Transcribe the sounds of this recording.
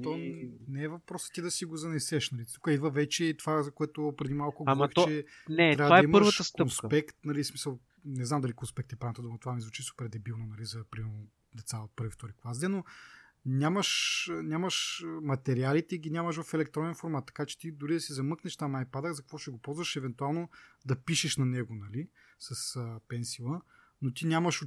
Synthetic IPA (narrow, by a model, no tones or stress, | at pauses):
t̪onɛɛvɐfpɾɔsə̥t̪id̪ɐsiɡʊzɐnɛsɛʃnɐlit̪ukəid̪vəvɛt͡ʃɛit̪ovazɐkoɛt̪opɾɛd̪imalˠkʊɡoixt̪t͡ʃɛnɛtt̪ɾavədaɐiməɐɾvʃət̪əstkonspɛkt̪nɐlismisəlˠ | nɛznamd̪ɐlikonspɛk̚t̪ɛpɾavnt̪ɐd̪umət̪ovamizvut͡ʃisu̥pɛɾd̪ɛbilˠnonɐlizɐpɾimɛɾno | d̪ɛt̪saot̪̚pɤɾvift̪ɔɾiklˠazd̪ɛno | nʲamɐʃnʲamɐʃmɐt̪ɛɾialit̪ɛiɡʲinʲamɐʃvɐfɛlɛk̚t̪ɾɔnɛnfoɾmat̪ːɐ̥kat͡ʃɛ̥t̪id̪ʊɾid̪ɐsizɐmɤknɛʃt̪amnajpad̪əɣzɐkɐkvɔʃɛɡopɔlˠzvɐʃɛvɛnt̪ualˠnod̪ɐpiʃɛʃnɐnɛɡonɐli | sɐsəpɛnsilˠə | not̪inʲamɐʃo